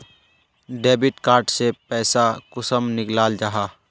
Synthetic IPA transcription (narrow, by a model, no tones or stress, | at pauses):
ɖeːbɪʈkaːɾʈsepɛːsakʊsəmnɪklaːld͡ʒaɦaː